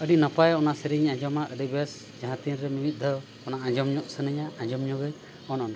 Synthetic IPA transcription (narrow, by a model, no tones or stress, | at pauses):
əɖinapajɔnasəɾiɲãd͡ʒɔmaʔəɖibɛs | d͡ʒaɦãt̪inɾɛmimit̪̚ˀd̪ɔ | ɔnaãd͡ʒɔmɲɔʔsənəɲaãd͡ʒɔmɲɔɡət̪ | ɔnɔna